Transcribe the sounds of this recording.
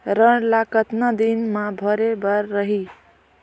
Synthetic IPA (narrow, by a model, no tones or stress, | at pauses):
ɾʌnlakət̪nad̪inmabʱʌɾebʌɾːəɦi